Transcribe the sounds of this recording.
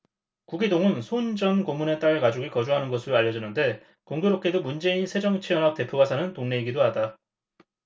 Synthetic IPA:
kuɡidoŋɯnsʰond͡ʑʌnkomːune̞t͈aɭkad͡ʑoɡikʌd͡ʑuɦanɯnɡʌsʰɯɾoaʎːʌd͡ʑʌnːɯnde̞ | koŋɡuɾok͈e̞domund͡ʑe̞insʰe̞d͡ʑʌŋt͡ɕʰijʌnɦak̚t͈e̞pʰuɡasʰanɯntoŋne̞iɡidoɦada

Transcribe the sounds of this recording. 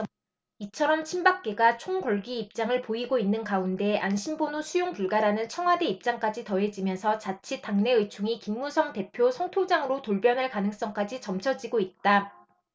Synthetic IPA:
it͡ɕʰʌɾʌmt͡ɕʰimbak̚k͈e̞ɡat͡ɕʰoŋkwʌɭɡiːp̚t͡ɕ͈aŋɯɭpoiɡoinːɯnkaunde̞ʔanɕʰimbonosʰujoŋpuɭɡaɾanɯnt͡ɕʰʌŋɦwade̞ip̚t͡ɕ͈aŋk͈ad͡ʑitʌɦe̞d͡ʑimjʌnsʰʌt͡ɕat͡ɕʰitaŋne̞ɯjt͡ɕʰuŋikimːusʰʌŋte̞pʰjosʰʌŋtʰod͡ʑaŋɯɾotoɭbjʌnɯɭkanɯŋs͈ʌŋk͈ad͡ʑit͡ɕʌmt͡ɕʰʌd͡ʑiɡoit̚t͈a

